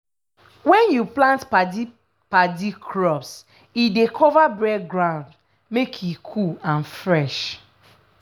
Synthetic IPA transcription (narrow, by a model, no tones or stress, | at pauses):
wɛ̃njuplãntpadi | padikʰɹɔps | idekʰɔvabɹɛɡɹãʊ̃nd | mekʰjikʰuãnfɹɛʃ